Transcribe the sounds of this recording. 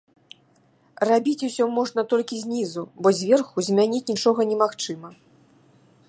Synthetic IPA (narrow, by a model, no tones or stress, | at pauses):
rabʲit͡sʲusʲɔmɔʐnɐt̪ɔlʲkʲizʲnʲizubɔzʲvʲɛrxuzʲmʲanʲit͡sʲnʲit͡ʂɔɣɐnʲɛmaxt͡ʂɨmɐ